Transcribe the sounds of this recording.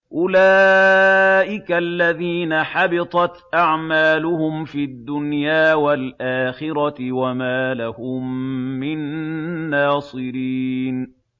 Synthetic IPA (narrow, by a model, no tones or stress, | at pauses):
ʔʊlaː | ʔɪkalːaðiːnaħɑbɪt̪ˤɑt̪ʔaʕmaːlʊhʊmfiːad̪ːʊnjaːwalʔaːxɪɾɑt̪ɪwamaːlahʊmːɪnː | ɑːsˤɨɾiːn